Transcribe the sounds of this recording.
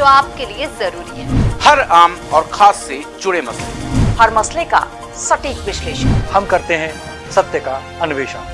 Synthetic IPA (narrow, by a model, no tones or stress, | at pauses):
d͡ʒoːaːp̚keliezɐɾuːɾiɦɛːhɐɾaːmɔːɾxʰaːsːet͡ʃʊɽemɐslḛhɐɾmɐsleka̰ | sɐʈiːkʋɪʃleːʃənhɐmkɐɾt̪eɦɛ̃ | sɐt̪jəka | ɐnʊʋeːʃən